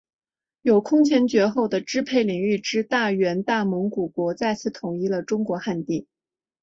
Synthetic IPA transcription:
jo˨˩ʊkʰʊ˥ŋt͡ɕʰjɛ˧˥nt͡ɕɥɛ˧˥xo˥˩ʊd̪ə˩ʈ͡ʂɻ̩˥pʰe˥˩ɪli˨˩ŋy˥˩ʈ͡ʂɻ̩˥t̪a˥˩ɥɛ˧˥nt̪a˥˩mʊ˧˥ŋku˨˩kwɔ˧˥t͡sa˥˧ɪt͡sʰɹ̩˥˩t̪ʰʊ˧˥ŋi˥lə˨ʈ͡ʂʊ˥ŋkwɔ˧˥xa˥˧nt̪i˥˩

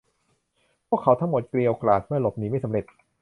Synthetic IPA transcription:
pʰu˥˩əkʰːa˩˦wt̪ʰa˥˩mo˨˩t̪̚kli˧əwklaː˨˩t̪̚mɯ˥˩ɐlo˨˩p̚niː˩˦ma˥˩sa˨˦mɾe˨˩t̪̚

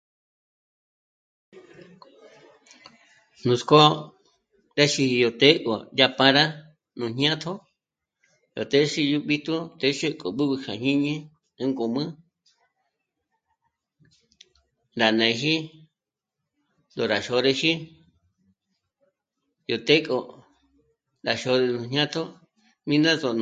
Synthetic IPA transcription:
nũ˨˧sko˦ | ɾe˦ʃi˧hi˧jo˨t̪e˦kʼo˨ja˧pã˧ɾa˦ | nũ˧ɲɲjã˦t̪ʰo˦ | jo˨t̪e˦ʃi˧ju˧ɓi˧t̪u˦t̪e˧˦ʃe˦kʼo˨ɓu˦βɨ˧kʰa˨ɲĩ˦ɲĩ˦ | ɨ˧ŋɡo˨mɨ̃˦ | nɾa˨nẽ˨˧ɦi˦ | nd̪o˨ɾa˨ʃo˧ɾe˧ʃi˦ | jo˨t̪e˦kʼo˧ | ɾa˨ʃo˧ɾe˧nũ˧ɲɲã˦t̪ʰo˦ | mĩ˦nã˦zo˧n

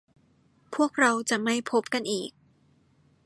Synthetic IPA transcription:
pʰu˥˩ək̚ɾa˧wt͡ɕa˨˩ʔma˥˩jpʰo˦˥p̚ka˧nʔiː˨˩k̚

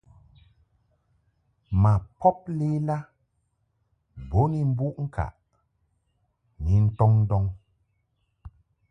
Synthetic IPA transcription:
ma˨pɔ˦p̚le˦la˦ | bo˨˦ni˦m̩˦bu˦ʔŋ̩˦kʰa̰˨ʔ | ni˨˦n̩˦tɔ˦ŋn̩˦dɔ˦ŋ

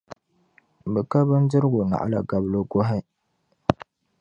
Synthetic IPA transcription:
bɨ˨ka˦bɨ˦n˦dɨ˦ɾɡu˨na̰˨ʔa̰˦la̰˨ɡa˨blo˦ɡo˦ɦa˦j

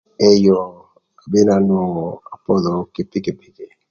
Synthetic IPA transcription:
ɛ˦jɔ˨ | a˨be˦na˨nɔ˨a˨pɔ˦lɔ˨˦ke˨pe˦ke˨pe˦ke˨

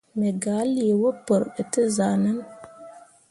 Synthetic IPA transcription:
me˨ɡa˨˦li˦˨e˨wo˦pə˨ɾə˨tɨ˦za˨nə˦n

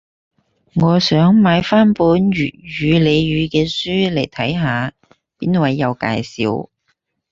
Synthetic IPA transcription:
ŋɔː˨˧sœː˨˥ŋmaː˨˧jfaː˥npuː˨˥nɥyː˨t̚ɥyː˨˧le˨˧jɥyː˨˧kɛː˧syː˥le˨˩jt̪ʰɐ˨˥jɦaː˨˧ | piː˥nwɐ˨˥jːɐ˨˧wka̰ː˧jsḭː˨˧w

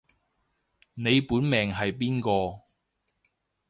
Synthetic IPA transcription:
ne˨˧jpuː˨˥nmɛː˨˩ŋɦɐ˨jpiː˥nkɔː˧

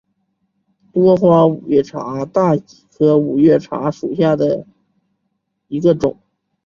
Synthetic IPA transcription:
t̪wɔ˥xwa˥u˨˩jɥɛ˥˩ʈ͡ʂʰa̰˧˥t̪a˥˩i˨˩kʰɤ˧˥u˨˩ɥɛ˥˩ʈ͡ʂʰa̰˧˥ʂu˨˩ɕja˥˩d̪ə˩ | i˧˥ɡə˧ʈ͡ʂʊ˨˩˦ŋ

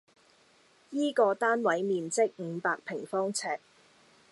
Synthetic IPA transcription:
jiː˥kɔː˧t̪aː˥nwɐ˨˥jmiː˨˧nt͡sɪ˥k̚ŋ̩˨˧˦paː˧k̚pʰɪ˨˩ŋfɔː˥ŋt͡sʰɛː˧k̚

